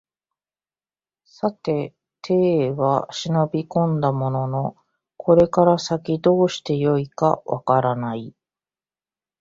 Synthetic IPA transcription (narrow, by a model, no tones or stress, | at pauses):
sat̪e̞ | t̪ʰe̞ːβaɕino̞bʲikõ̞nd̪amo̞no̞no̞ | kʰo̞ɾe̞kaɾasakʲid̪o̞ːɕi̥t̪e̞jo̞ikaβʔa̰kaɾanai